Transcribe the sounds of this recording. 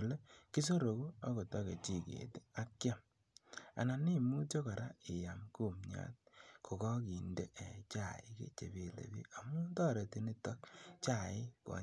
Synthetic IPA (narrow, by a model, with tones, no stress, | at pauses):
le˦ki˦s̬o˦ɾo˨ku˦a˦ko˨tɔ˦ke˨t͡ʃi˨kḛ˨te˦a˦kja˦˨m | a̰˨na˨ni˦mu˦t͡ʃo˦ka˨ɾa˦ɪ˨ja˨mku˦˨mɲa̰˦t̚kʰo˨kɔ˦ki˨nde˦ʔe˨t͡ʃa˦˨ḭ˨kḛ˦t͡ʃḛ˨bi˨lḛ˨bḭ˦a˨mu˦ntɔ˦ɾe˨ti˦ni˦tɔ˦kt͡ʃa˦˨ɪ˦kɔ̰˨